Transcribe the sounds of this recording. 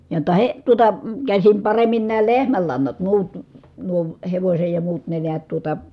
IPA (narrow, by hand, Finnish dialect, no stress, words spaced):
jotːɑ he tuotɑ kæsim pɑremːin næː lehmælːɑnːɑt muːt nuo heʋosʲej jɑ muːt ne neæt tuotɑ